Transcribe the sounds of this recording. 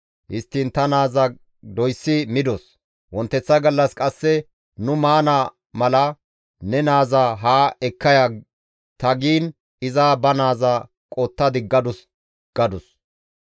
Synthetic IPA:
ʔɪst̪ːiːnt̪ɐnaːzɐ | d̪ɔjsːɪmɪd̪ɔs | wɔnt̪ːɛt͡sːɐɡɐlːɐskʼɐsːɛ | nʊmaːna | mɐlɐ | nɛnaːzaːɦaːɛkːɐja | t̪ɐɡiːn | ɪzaːbɐnaːzaː | kʼoːt̪ːɐd̪ɪɡɐd̪ʊs | ɡ̥ɐd̪ʊs

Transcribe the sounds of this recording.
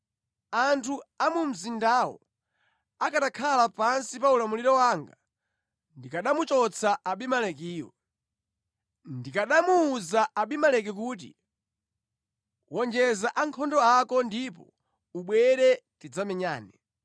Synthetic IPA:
antʰuamum̩zindaːwɔ̰ | akatakʰalapansipaulamuliɾɔwaːŋɡa | ndikaɗamut͡ʃɔt͡sʰaʔaɓimalɛkiːwɔ̰ | ndikaɗamuːzaʔaɓimalɛk̬ɛk̬uːt̬ḭ | wɔnd͡ʒɛzaʔaŋkʰɔndɔakɔndipɔ̰ | uɓwɛɾɛtid͡zamɛɲa̰ːnɛ

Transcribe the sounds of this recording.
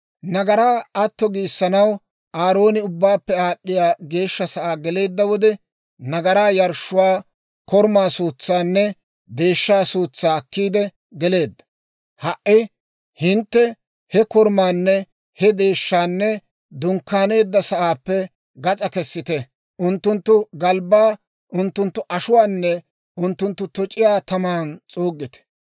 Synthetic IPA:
nɐɡɐɾaːɐt̪ːɔɡiːsːɐnɐw | aːɾo̞ːnɪʊbːaːpːɛaːɗːɪjaːɡe̞ːʃːɐsɐʔaːɡɛle̞ːd̪ːɐwɔd̪ɛ | nɐɡɐɾaːjɐɾʃːʊwaː | kɔɾmaːsuːt͡sːaːnːɛ | d̪e̞ːʃːaːsuːt͡sːaːkːiːd̪ɛ | ɡɛle̞ːd̪ːɐ̥ | hɐʔɪ | hɪnt̪ːɛ | hɛkɔɾmaːnːɛ | hɛd̪e̞ːʃːaːnːɛ | d̪ʊŋkːaːne̞ːd̪ːɐsɐʔaːpːɛ | ɡɐt͡sʼɐkɛsːɪt̪ɛ | ʔʊnt̪ːʊnt̪ːʊɡɐlbaː | ʔʊnt̪ːʊnt̪ːʊʔɐʃʊwaːnːɛ | ʊnt̪ːʊnt̪ːʊt̪ɔt͡ʃʼɪjaːt̪ɐmaːnt͡sʼoːɡːɪt̪ɛ̥

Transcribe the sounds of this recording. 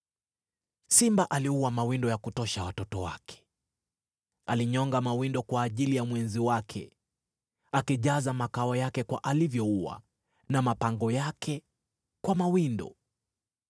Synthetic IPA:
simbaʔaliuwamawindɔjakutɔʃawatɔtɔwakʰɛ̥ | aliɲɔŋɡamawindɔkwaːʄilijamwɛnziwakʰɛ̰ | akiʄazamakaɔjakɛkwa̰ʔalivjɔuwa̰ | namapaŋɡɔjakʰɛ | kwamawindɔ̰

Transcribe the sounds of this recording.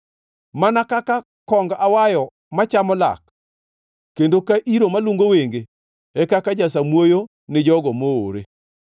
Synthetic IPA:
manakaka | kɔŋɡawajɔ | mat͡ʃamɔla̰kː | endokaʔiɾomaluŋɡoweŋɡe | ekakad͡ʒas̬amwojo | nɪd͡ʒɔɡɔmooɾe

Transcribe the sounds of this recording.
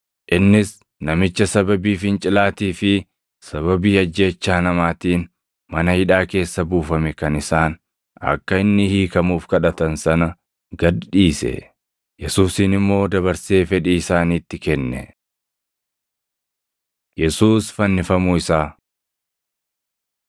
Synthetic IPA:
ʔɪnːɪs | nɐmɪt͡ʃːɐsɐbɐbiːfɪnt͡ʃʼɪlaːt̪iːfɪ | sɐβɐbiːɐd͡ʒːe̞ːt͡ʃːaːnɐmaːt̪iːn | mɐnɐhɪᶑaːke̞ːsːɐbuːfɐmɛkɐnɪsaːn | ɐ̰kːɐɪnːɪhiːkɐmuːfkɐᶑɐt̪ɐnsɐnɐ | ɡɐd̪ᶑiːsɛ̰ | jɛsuːsinɪmːo̞ːd̪ɐβɐɾse̞ːfɛᶑɛɪsaːniːt̪ːɪkɛnːɛ̰ | jɛsuːsfɐnːɪfɐmuɪsaː

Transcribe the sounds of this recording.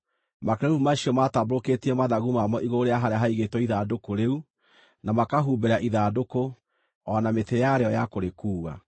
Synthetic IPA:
makeɾeumaʃiɔmataboɾoketiɛmaðaɣumamɔʔiɣoɾeaɦaɾeaɦaiɣetwɔiðadokoɾeu | namakaɦuːbeɾaʔiðadoko | ɔnametejaɾeɔjakoɾekuːwa̰

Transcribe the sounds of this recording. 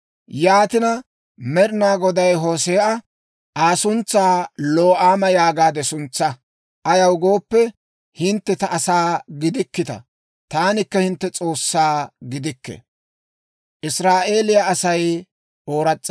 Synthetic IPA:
jaːt̪ɪnɐ | mɛɾnaːɡɔd̪ɐjɦoːseːʔɐ | aːsʊnt͡sːaːloːʔaːmɐjaːɡaːd̪ɛsʊnt͡sːɐ | ʔɐjɐwɡo̞ːpːɛ | hɪnt̪ːɛt̪ɐʔːsaːɡɪd̪ɪkːɪt̪ɐ̰ | t̪aːnɪkːɐhɪnt̪ːɛt͡sʼo̞ːsːaːɡɪd̪ɪkːɛ̰ | ʔɪsɾaːʔe̞ːlɪjaːsɐj | ʔo̞ːɾɐt͡sʼː

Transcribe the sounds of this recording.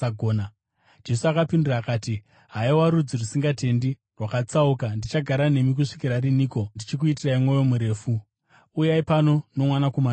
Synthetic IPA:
aɡʱoːna | d͡ʒe̞suakapindiraːkaːti | ɦaiwaɾud͡zirusiŋɡate̞ndi | rwakat͡saukandit͡ʃaɡʱaɾane̞mik̬uʂikiɾaɾiniːko̞ndit͡ʃik̬uitiraimwo̞jo̞muɾe̞ːfu | ujaipano̞no̞mwanakoman

